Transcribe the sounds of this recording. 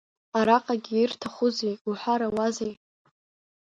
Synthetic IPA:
aɾaqʼaɡʲiirtʰaχʷuzejuħʷᶣaɾawazej

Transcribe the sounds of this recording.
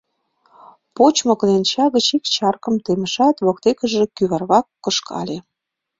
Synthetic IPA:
pot͡ɕmŏklent͡ɕɑɣət͡ɕikt͡ɕɑrkə̆mt̪emə̆ʃɑt̪βok̚t̪ekə̆ʒĕkyβɑrβɑkːɤ̆ʃkʰɑ̰lʲe

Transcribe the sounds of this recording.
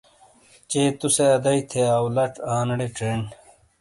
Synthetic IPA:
t͡ɕeːt̪useɐd̪ɐit̪ʰeaːwlɐʈaːnɽeʈɾeːɳ

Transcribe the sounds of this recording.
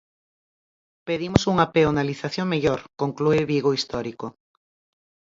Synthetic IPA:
peðimosuŋapeonaliθaθjoŋmeʎoɾkoŋklueβiɣoist̪ɔɾiko

